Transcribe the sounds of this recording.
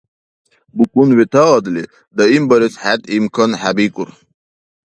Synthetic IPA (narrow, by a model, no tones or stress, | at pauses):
bukunwit̪aɐd̪li | d̪əimbəɾishat̪imkʰənhabikuɾ